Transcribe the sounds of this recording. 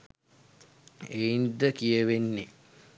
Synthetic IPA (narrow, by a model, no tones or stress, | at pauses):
eindəkijəʋenːe